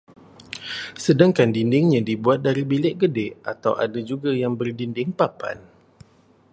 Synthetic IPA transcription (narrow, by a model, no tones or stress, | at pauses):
sədaŋkandindɪŋɲãdibuat̪̚daɾibilɪʔɡədɛʔat̪awʔa̰dad͡ʒuɡajaŋbərdindɪŋpapa̰n